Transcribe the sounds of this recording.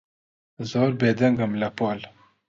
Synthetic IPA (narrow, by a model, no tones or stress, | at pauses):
zoːɾbed̪ɐŋɡɐmlɐpoːl